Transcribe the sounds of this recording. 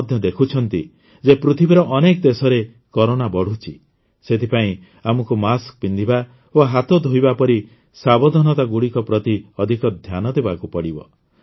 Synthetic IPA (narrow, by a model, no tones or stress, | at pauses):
d̪ʱjɔd̪ekʰut͡ʃʰɔnt̪i | d͡ʒepɾut̪ʰibiɾɔʔːnekɔd̪esɔɾe | kɔɾoɽ̃abɔɽ̤ut͡ʃʰi | set̪ʰipaĩ | amɔkumaskpind̪ʱiba | oɦat̪ɔd̪ʱoibapɔɾi | sabɔd̪ʱɔnɔt̪aɡuɽikɔpɾɔt̪iɔd̪ʱikɔd̪ʱjanɔd̪ebakupɔɽibɔ̰